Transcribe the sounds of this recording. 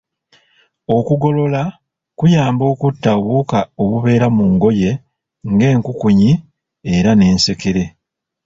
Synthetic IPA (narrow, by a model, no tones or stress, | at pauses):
o̞kuɡo̞lo̞la | kujaːmbo̞ːkutːaβukao̞βuβe̞ːɾamuŋɡo̞je̞ | ŋɡe̞ːŋkukuɲi | eɾane̞ːnse̞ke̞ɾe̞